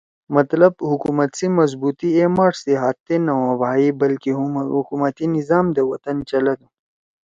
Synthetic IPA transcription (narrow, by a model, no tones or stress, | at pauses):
mɐt̪lɐb̚hukumɐt̪simɐzbuːt̪iemaːʈseɦaːt̪ːenɐwãbaːibɐlkihukumɐt̪inizaːmd̪əwɐt̪ɐnt͡ʃɐlɐd̪u